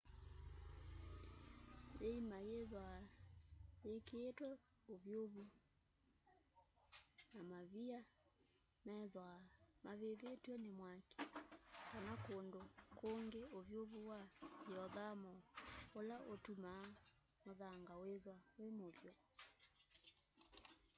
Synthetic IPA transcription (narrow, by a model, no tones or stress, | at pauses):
jeimajeðwa | jekeːtwɛ | ovjoβu | namaβia | mɛðwamaβeβetwɛnemwake̥kanakondokoŋɡeovjoβuwaeɔðamɔolaʔotuma | moðaŋɡaweðwawemovjɔ